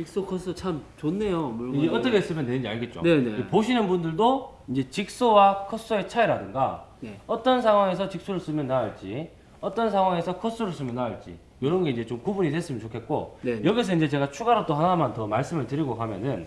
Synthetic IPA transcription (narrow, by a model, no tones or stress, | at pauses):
t͡ɕik̚s͈okʰʌs͈ʰot͡ɕʰamt͡ɕonːe̞jomuind͡ʑeʌt͈ʌkʰes͈ɯmjʌnːwe̞nɯnd͡ʑiaɭɡet̚t͡ɕ͈o̰eeepoɕʰinɯnbundɯɭdo | ind͡ʑe̞t͡ɕik̚s͈owakʰʌs͈ue̞t͡ɕʰaiɾadɯŋɡa̰neʌt͈ʌnsʰaŋwaŋe̞s̬ʰʌt͡ɕik̚s͈oɾɯɭs͈ɯmjʌnːaoɭt͡ɕ͈i | ʌt͈ʌns̬ʰaŋwaŋe̞sʰʌkʰʌs͈uɾɯɭs͈ɯmjʌnːaoɭt͡ɕ͈ḭ | joɾʌnɡe̞ind͡ʑe̞t͡ɕomkubuɲitwe̞s͈ɯmʌnt͡ɕokʰe̞t̚k͈o̰jʌɡis̬ʰʌind͡ʑe̞t͡ɕe̞ɡat͡ɕʰuɡaɾot͈oɦanaɦamantʌmaɭs͈ɯmɯɭtɯɾiɡokamjʌ̰nɯn